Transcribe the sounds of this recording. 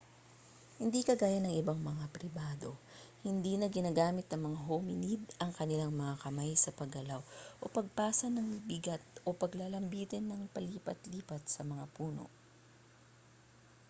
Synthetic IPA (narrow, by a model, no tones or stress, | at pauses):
hɪnd̪ikɐɡaːjɐnɐŋʔɪbaŋmɐŋapɾɪbaːd̪o̞ | hɪnd̪iːnɐɡɪnaːɡaːmɪt̪̚nɐŋmɐŋaɦʊmɪnid̪ɐŋkɐnɪlaŋmɐŋakɐmajsɐpɐɡɐlawʔopɐɡ̚paːsɐnɐŋmibɪɡat̪̚ʔo̞pɐɡlalɐmbiːt̪ɪnːɐŋpɐliːpɐt̪liːpɐt̪̚sɐmɐŋapuːno̞̰